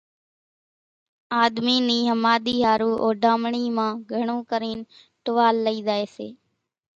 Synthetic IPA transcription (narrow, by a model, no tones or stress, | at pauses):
aːd̪miːniːɦəmaːɗ̪iːɦaːɾuːʔoːɖʱaːmɳiːmãːɡʱəɳũːkəɾiːn | ʈʊʋaːlːəiːzaːeːsḛː